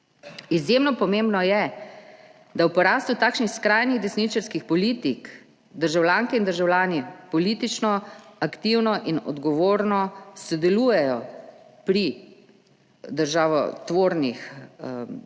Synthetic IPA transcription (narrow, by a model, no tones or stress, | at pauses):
izjemnɔpɔmembnɔjɛ | d̪awpɔɾaːst̪ut̪aːkʃnixskɾajniɣd̪ɛsnit͡ʃɛɾskixpɔliːt̪ik | d̪əɾʒawlʲjaːŋkɛind̪əɾʒawlʲjaːnipɔliːt̪it͡ʃnɔakt̪iwnɔʔinɔ̰d̪ɡɔʋoːɾnɔsɔd̪ɛluːjɛjɔpɾi | d̪əɾʒaːʋɔ̰t̪ʋoːɾnix